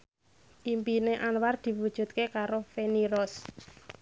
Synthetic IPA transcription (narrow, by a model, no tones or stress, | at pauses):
ʔimpineʔanward̪̥i̤wud̥ʒ̥ṳt̪̚kekaɾofeniɾɔs